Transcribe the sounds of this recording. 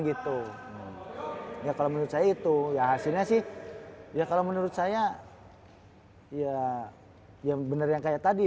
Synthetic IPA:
ɡit̪u | jakalomənuɾʊt̪̚sajait̪ujaɦasilɲasɪhjakalomənuɾʊt̪̚saja | ija | jabənərjaŋkajaʔt̪adi

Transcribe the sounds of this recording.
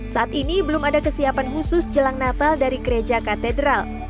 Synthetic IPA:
saʔat̪inibəlumadakəsiapanɦusʊsd͡ʒəlaŋnat̪aldaɾiɡəɾed͡ʒakat̪ɛdɾal

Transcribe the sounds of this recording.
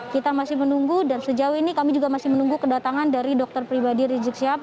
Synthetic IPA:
kit̪amasɪhmənuŋɡudansəd͡ʒauinikamid͡ʒuɡamasɪhmənuŋɡukədat̪aŋandaɾidɔk̚t̪ərpɾibadiɾid͡ʒək̚siap̚

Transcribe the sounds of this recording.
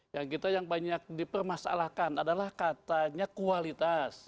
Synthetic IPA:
jaŋkit̪ajaŋbaɲak̚dipərmasa̰lakanadalahkat̪aɲakualit̪as

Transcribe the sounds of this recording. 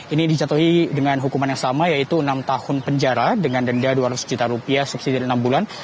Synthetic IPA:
inidit͡ʃat̪uɦidəŋanɦukumanjaŋsamajait̪uənamt̪ahʊnpəɲd͡ʒaɾadəŋandəndaduaɾat̪u̥sd͡ʒut̪aɾupiasup̚sidiənambulan

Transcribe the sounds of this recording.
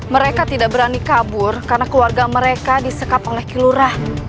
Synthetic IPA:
məɾekat̪idaʔbəɾanikabʊrkarnakluarɡaməɾekadisəkapolɛhkiluɾah

